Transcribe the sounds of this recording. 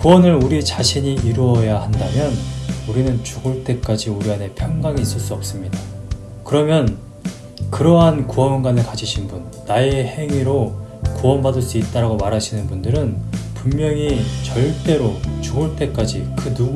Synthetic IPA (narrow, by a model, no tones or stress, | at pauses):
kuwʌnɯɾuɾit͡ɕaɕʰiɲiʔiɾuʌjahandamjʌnuɾinɯnt͡ɕuɡɯɭt͈e̞k͈ad͡ʑiuɾianɦe̞pʰjʌŋɡaŋiːs͈ʌɭs͈uʌp̚s͈ɯmɲida | kɯɾʌmjʌn | kɯɾʌɦankuʌnɡanɯɭkad͡ʑʰiɕʰinbunːaehe̞ŋiɾokuwʌnbadɯɭs͈uit̚t͈aɾaɡomaɾɦaɕʰinɯnbundɯɾɯnpummjʌŋit͡ɕʌɭt͈e̞ɾot͡ɕuɡɯɭt͈e̞k͈ad͡ʑikɯnu